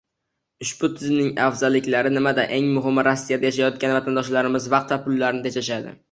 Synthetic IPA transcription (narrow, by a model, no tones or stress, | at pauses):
ʊʃbʊt̪ʰɪzmnɪŋafzalːɪkʲlaɾɪnɪmad̪aʔe̞ŋmʊɦɪmːɾasːijad̪ajaʃ̬ajɒt̪̚kʲanvat̪ʰand̪ɒʃlaɾɪmɪzvɑq̚t̪vapʊlːaɾnɪt̪ʰet͡ʃaʃad̪ɪ̰